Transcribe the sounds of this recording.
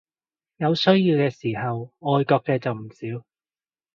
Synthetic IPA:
jɐ˨˧wsɵ˥ɥjiː˧wkɛː˧siː˨˩ɦɐ˨wɔː˨˧jkɔː˧k̚kɛː˧t͡sɐ˨wm̩˨˩siː˨˥w

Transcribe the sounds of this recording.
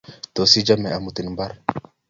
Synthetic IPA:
t̪o˨si˦d͡ʒa˦mɛ˨a˨mu˨t̪i˨n˨mba˦ɾ

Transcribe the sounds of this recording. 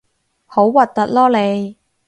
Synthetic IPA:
ho˨˥wwɐ˨t̚t̪ɐ˨t̚lɔː˥le˨˧j

